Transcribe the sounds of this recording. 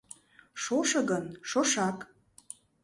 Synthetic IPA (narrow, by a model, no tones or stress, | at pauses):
ʃoʃɤ̆ɣənʃoʃɑk